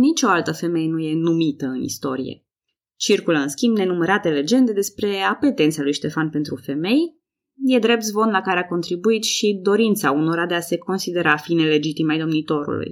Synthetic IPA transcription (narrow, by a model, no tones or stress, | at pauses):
nit͡ʃo̞alt̪əfe̞me̞jenuje̞numit̪əɨnḭst̪o̞̰ɾijḛ | t͡ʃirkuləɨnskʲimbne̞numəɾat̪e̞le̞d͡ʒe̞nd̪e̞d̪e̞spɾe̞ape̞t̪e̞nt̪salujʃt̪e̞fanpe̞nt̪ɾufe̞me̞j | je̞d̪ɾe̞p̚t̪zvo̞nlakaɾeako̞nt̪ɾibuit̪ʃid̪o̞ɾint̪sauno̞ɾad̪e̞ase̞ko̞nsid̪e̞ɾafine̞le̞d͡ʒit̪imajd̪o̞mnit̪o̞ɾṵlṵj